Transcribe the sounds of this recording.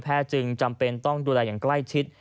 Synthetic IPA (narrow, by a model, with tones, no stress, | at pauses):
pʰɛː˥˩t͡ɕɯ˧ŋt͡ɕa˧mpe˧nt̪ɔ˥˩ŋduː˧lɛː˧jaː˨˩ŋkla˥˩jt͡ɕʰi˦˥t̪̚